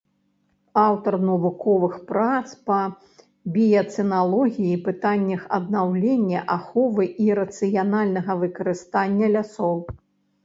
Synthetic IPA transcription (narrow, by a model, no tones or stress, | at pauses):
awt̪ɐrnɐvukɔvɨxpɾat̪spɐ | bʲijɐt̪sɛnalˠɔɣʲijipɨt̪anʲːɐxɐ̰d̪̚nawlʲenʲːɐʔaxɔvɨʔiɾɐt̪sɨjanalʲnɐɣɐvɨkɐɾɨst̪anʲːɐlʲasɔw